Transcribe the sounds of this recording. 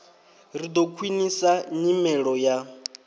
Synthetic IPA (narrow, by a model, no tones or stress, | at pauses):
rid̪ɔkʰwinisaɲimɛɺɔja